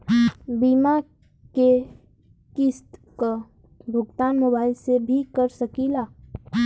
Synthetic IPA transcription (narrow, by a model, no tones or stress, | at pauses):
biːma | ke | kɪst̪ko | bʱʊɡt̪aːnmoːbaːɪlsebʱikəɾsəkilaː